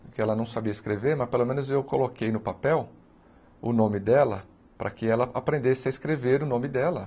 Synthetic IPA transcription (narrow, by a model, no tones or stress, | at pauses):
kɪɛlɐnɐ̃w̃sabiɐiskɾeveɾmɐspelomẽnʊzewkolokejnʊpapɛw | ʊ̰nõmɪd̪ɛlɐ | pɾʔɐ̰kɪɛlɐapɾẽnd̪esɪɐɪskɾeveɾʊnõmɪd̪ɛlɐ